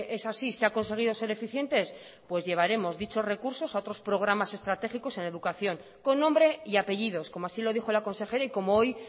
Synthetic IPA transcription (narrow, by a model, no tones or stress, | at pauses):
e̞sasiseako̞nse̞ɣ̞iðose̞ɾe̞fiθje̞nt̪e̞s | pwe̞zʝe̞β̞aɾe̞mo̞zðit͡ʃo̞zre̞kuɾso̞sao̞t̪ɾo̞spɾo̞ɣ̞ɾamase̞st̪ɾat̪e̞xiko̞se̞neðukaθjo̞ŋ | ko̞nːõ̞mbɾe̞iape̞ʎiðo̞sko̞moasilo̞ð̞ixo̞lako̞nse̞xe̞ɾaiko̞mooj